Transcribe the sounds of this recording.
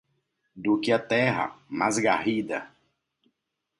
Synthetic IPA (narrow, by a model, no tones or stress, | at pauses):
d̪ukɪat̪ɛɦɐ̰mazɡa̰hid̪ɐ̰